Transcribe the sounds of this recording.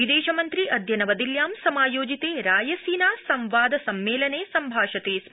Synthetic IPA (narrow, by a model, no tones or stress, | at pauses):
id̪eːʃɐmɐnt̪ɾiɐd̪ʱjɐnɐʋɐd̪iljaːmsɐmaːjoːd͡ʒit̪eːɾaːjɐsiːnaːsɐmʋaːd̪ɐsɐmːeːlɐneːsɐmbʱaːʃɐt̪eːs